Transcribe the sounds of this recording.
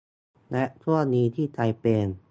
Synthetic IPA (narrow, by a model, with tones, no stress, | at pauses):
lɛ˦˥ʔt̪ʰu˥˩əniː˦˧˥t̪ʰiː˥˩t̪ʰa˧jpeː˧n